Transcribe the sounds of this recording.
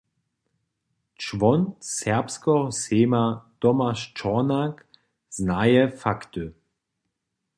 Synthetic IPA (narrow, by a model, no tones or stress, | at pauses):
t͡ʃvɔnsɛɐpskɔɦɔseːmat̪ɔmaʃt͡ʃɔnak | z̥najɛfakt̪ʏ